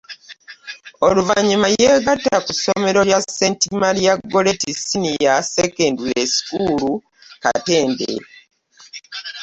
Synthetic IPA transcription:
oluvaɲimaje̞ːɡatːakuso̞me̞ɾo̞jase̞ntimaljaɡːo̞le̞tisinijasekendulesi̥kulu | ka̰te̞ːndḛ

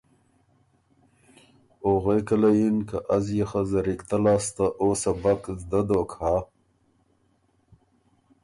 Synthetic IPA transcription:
oɣekəlajinkaʔazjexazaɾikt̪alaːst̪aʔosabakzd̪ad̪okha

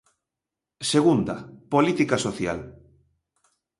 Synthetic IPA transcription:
seɣund̪apolit̪ikasoθja̰l

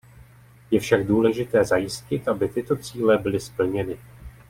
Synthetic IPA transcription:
jɛfʃaɡ̚duːlɛʒɪt̪ɛːzajɪscɪt̪ʔabɪt̪ɪt̪o̞t͡siːlɛbɪlɪspl̩ɲɛnɪ

